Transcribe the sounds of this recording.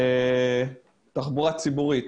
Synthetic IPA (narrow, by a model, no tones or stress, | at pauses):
e | taχbuʁat͡sibuʁit